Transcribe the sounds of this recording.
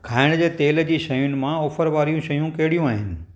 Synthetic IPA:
kʰaːɪɽ̃d͡ʑeːt̪eːld͡ʑiːʃɐjʊnɪ̆mãoːfəɾʋaːɾijũʃɐjũkɐɦɪɽijũaːɦɪnɪ̆

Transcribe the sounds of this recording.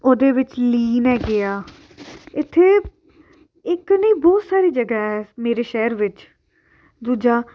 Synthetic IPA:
oːd̪eːʋɪt͡ʃliːnɛːɡɪaː | ɪt̪ʰːeː | ɪknəiːbɔːt̪saːɾiːd͡ʒəɡaːɦɛːmeːɾeːʃɛɦɾʋɪt͡ʃ | d̪uːd͡ʒaː

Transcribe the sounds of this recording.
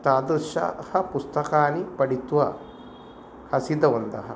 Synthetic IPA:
t̪aːd̪ɾʃɐ̰hɐpust̪ɐkaːnipɐɽit̪uʋɐ̰ | hɐsid̪ɐʋɐnd̪ɐ̰ɦɐ̰

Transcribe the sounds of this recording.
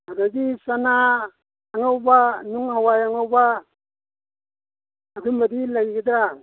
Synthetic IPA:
adaɡisanaː | ŋawbanuŋhawajaŋawba | dumbadilaɡiɡidɾa

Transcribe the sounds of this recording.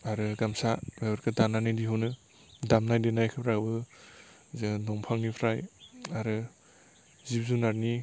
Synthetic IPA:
aɾɯɡamsaɡajɔɾkʰɯdananɯjdiɦɯwnɯ | damnajdenajkʰɯpʰɾakbɯ | zɯnɔŋpʰaŋnipʰɾajaɾɯ | zip̚zunaɾni

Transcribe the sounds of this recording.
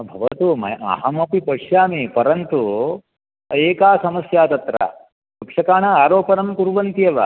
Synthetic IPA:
bʱɐʋɐt̪umɐ̰jɐ̰ɦɐmɐpipɐʂjaːmipɐɾɐnt̪u | eːkaːsɐmɐsjaːt̪ɐt̪ɾɐ̰ | d̪ukʂɐkaːɳɐaːɾoːpɐɾɐmkuɾʋɐnt̪ijɐʋɐ̰

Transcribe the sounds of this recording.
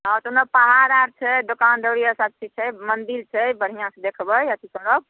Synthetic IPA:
at̪onəpaɦaɾaɾt͡ʃʰɛd̪okand̪əɽiəsat̪̚t͡ʃʰit͡ʃʰɛmənd̪ilt͡ʃʰɛjbəɽ̤ijãsẽd̪ekʰbəjət̪ʰisəɾəb̚

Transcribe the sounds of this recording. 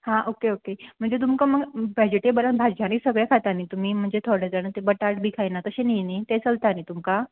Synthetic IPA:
hãʔokeokem̤əɳd͡zet̪̬umkaməɡbɛd͡ʑeʈebələnbʱad͡ʑañiːsəɡɭjakʰat̪aniːt̪um̤iːm̤əɳd͡zet̪ʰoɽed͡zanət̪ebəʈaʈbʱikʰajnat̪əɕeninit̪et͡səlt̪anit̪umka

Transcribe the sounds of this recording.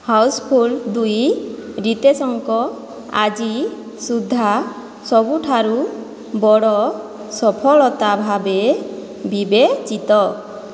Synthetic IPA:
hawspʰuld̪ujɾit̪esɔŋkɔ | a̰d͡ʒi | sud̪ʱːa | sɔbuʈʰaɾu | bɔɽɔ | sɔpʰɔɭɔt̪abʱabe | bibet͡ʃit̪ɔ

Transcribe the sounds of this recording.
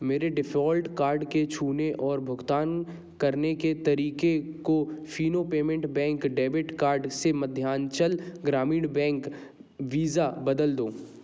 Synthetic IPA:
meːɾeɖɪfɔːlʈkaːɾɖket͡ʃʰuːneʔɔːɾbʱʊɡt̪aːn | kɐɾneket̪ɐɾiːkekofiːnopeːmẽɳʈbɛ̃ːŋkɖeːbɪʈkaːɾɖsemɐd̪ʱːjaːnt͡ʃɐlɡɾaːmiːɽbɛ̃ːŋk | ʋiːzabɐd̪əld̪oː

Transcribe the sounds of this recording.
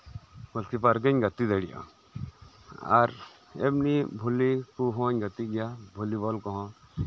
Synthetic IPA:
mɔlkipaɾɡ̬əɲɡət̪id̪əɽija̰ | a̰ɾ | ḛbnibʱulikuɦɔ̃ɲɡət̪iɡijabʱulibɔlkɔɦɔ̃

